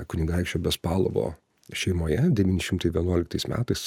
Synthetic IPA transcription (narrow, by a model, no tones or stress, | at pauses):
kʊnʲɪɡɐˑɪkʃʲt͡ʃʲoːbʲɛspɑːlˠo̰ʋo̰ː | ʃʲɛɪmoːjɛd̪ʲɛʋʲiːnʲɪʃʲɪmt̪ɐɪʋʲiɛnuɔlʲɪkt̪ɐɪsmʲæ̰ːt̪ɐɪs